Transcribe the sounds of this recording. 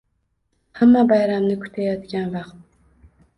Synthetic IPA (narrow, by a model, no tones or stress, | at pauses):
hamːabajɾamnɪkʰʊ̥t̪ʰajɑt̪ɡʲanvɑqt̪̚